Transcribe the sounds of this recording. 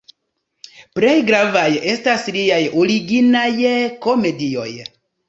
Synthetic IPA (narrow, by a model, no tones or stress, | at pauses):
pɾe̞jɡɾavaje̞stasliajoɾiɡinajko̞me̞dio̞̰j